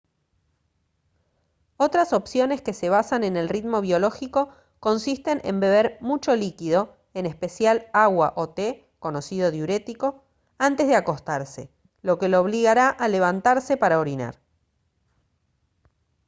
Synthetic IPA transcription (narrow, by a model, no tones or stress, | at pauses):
o̞t̪ɾaso̞psjo̞ne̞ske̞se̞β̞asane̞ne̞lrit̪mo̞βjo̞lo̞xiko̞ | ko̞nsist̪e̞nʔḛmbe̞β̞eɾmut͡ʃo̞likiðo̞ | enespe̞sjalaɣwaʔo̞t̪e | ko̞no̞sið̞o̞ðjuɾe̞t̪iko̞ | ant̪e̞zðeako̞st̪aɾse | lo̞ke̞leoβ̞liɣaɾaʔale̞β̞ant̪aɾsepaɾaoɾina̰ɾ